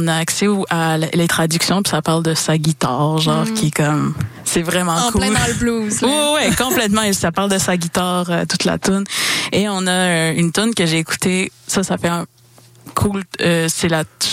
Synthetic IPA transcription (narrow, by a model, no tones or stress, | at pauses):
naːksɛuʔallet̪χad̪yksjɔ̃pi̥sapaʁld̪əsaɡʲit̪aːʁʒɑ̃ːʁkʲʰiɛkɔmsɛvʁɛmɑ̃kullbluzwɛwɛkɔ̃plɛt̪mɑ̃ɛsapaʁld̪əsaɡʲit̪aːʁət̪ut̪la̰t̪ʊneɔ̃naøynt̪ʊnkəʒeːku̥t̪esasafɛɛ̃ | kʰuløsɛla